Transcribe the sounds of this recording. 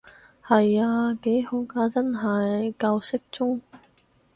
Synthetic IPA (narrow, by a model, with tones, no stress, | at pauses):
hɐ˨jaː˧ke˨˥jho˨˥wkaː˧˥t͡sɐ˥nɦɐ˨jkɐ˧wsɪ˥k̚t͡sʊ˥ŋ